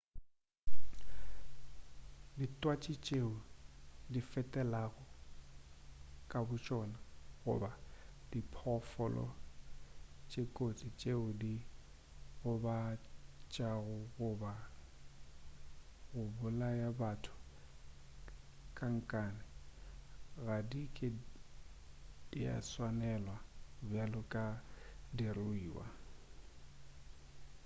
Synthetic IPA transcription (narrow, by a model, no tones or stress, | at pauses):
ditʼwat͡ʃʼit͡ʃʼeʊdifɛtʼɛlaɣɔ | kʼabʊt͡ʃʼɔnaɣʊ̰badipʰɔfɔlɔ̰ | t͡ʃʼekʼot͡sʼit͡ʃʼeʊdi | ɣʊbat͡ʃʼaɣʊɣʊba | ɣʊbʊlajabatʰʊ̥ | kʼaŋ̩kʼaːnɪ | ɣadikʼɪ | d̥ia̰swanɛlwabjalʊkʼadirʊiːwa̰